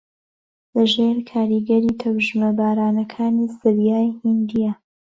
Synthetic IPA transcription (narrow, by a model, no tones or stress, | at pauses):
lɐʒeːɾkʰaːɾiɡɐɾiːt̪ʰɐwʒmɐbaːɾaːnɐkʰaːnisɨɾjaːjhind̪ija